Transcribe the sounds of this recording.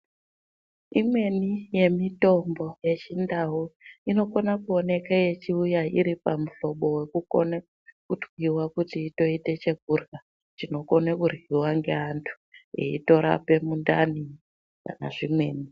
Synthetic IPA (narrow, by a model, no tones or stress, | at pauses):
imwe̞nije̞mito̞mbo̞je̞t͡ʃindauino̞konakuone̞kaje̞t͡ʃiujaḭɾipamuɬo̞ɓo̞we̞kuko̰na | kudwiwakutiːto̞ite̞t͡ʃe̞ɡ̚ʱurɡa | t͡ʃino̞ko̞nakurɣiwaŋɡe̞antʰu̥ḛḭto̞ɾa̰pe̞mundani | ka̰na̰ʐimwe̞̰ːni